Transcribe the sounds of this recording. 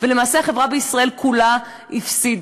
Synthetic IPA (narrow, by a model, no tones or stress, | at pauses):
ve̞lemaːse̞aχe̞vʁabeisʁae̞lkʰula | ifsid̪